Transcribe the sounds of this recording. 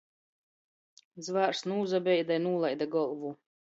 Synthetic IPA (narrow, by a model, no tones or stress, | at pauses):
d̪zvaːɾsnuːzabʲɛjd̪ajnuːlˠajd̪aɡɔlˠvu